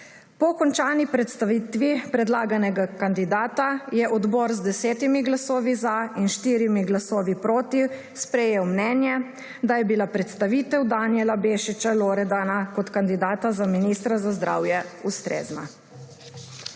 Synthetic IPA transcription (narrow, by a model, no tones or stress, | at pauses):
pɔkɔnt͡ʃaːnipɾɛt̪st̪aʋiːt̪ʋipɾɛd̪laːɡanɛɡakand̪id̪aːt̪ajɛʔɔd̪bɔːɾzd̪ɛsɛːt̪imiɡlasɔːʋizainʃt̪iːɾimiɡlasɔːʋipɾoːt̪i | spɾɛjeːwmnɛːnjɛ | d̪ajɛbilapɾɛt̪st̪aʋiːt̪ɛwd̪anjɛlabeːʃit͡ʃaloːɾɛd̪anakɔt̪kand̪id̪aːt̪azaminist̪ɾazazd̪ɾa̰ːwjɛust̪ɾḛːzna̰